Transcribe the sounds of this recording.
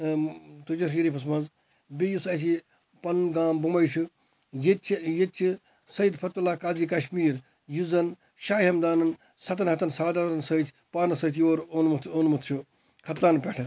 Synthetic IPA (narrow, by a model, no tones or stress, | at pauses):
t̪ud͡ʒɐʃiɾipʰɐsmɐnz | bijusɐt͡ʃʰi | pɐnɡaːmbumɐjt͡ʃʰu | jet͡ʃʰjet̪t͡ʃʰi | sɐjid̪pʰɐt̪ɐlaːkaːziːkɐʃmiːɾ | juzɐn | ʃaːihɐmd̪aːnɐn | sɐt̪ɐnɦɐt̪ɐnsaːd̪aɾt̪ɐnsɐjt̪ʰ | paːɾnɐsɐːt̪joːɾonmut̪onmut̪ʰt͡ʃʰu | kʰɐt̪laːnpʲeʈʰɐ